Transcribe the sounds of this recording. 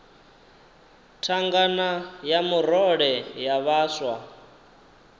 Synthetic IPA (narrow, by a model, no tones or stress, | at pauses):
tʰaŋɡanajamuɾɔɺɛjaβaːswa